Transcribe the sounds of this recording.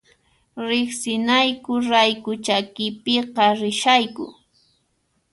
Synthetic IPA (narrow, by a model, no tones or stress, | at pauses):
ɾɪχsɪnajkʊɾajkʊt͡ʃakɪpeqɑɾɪʃajkʊ̰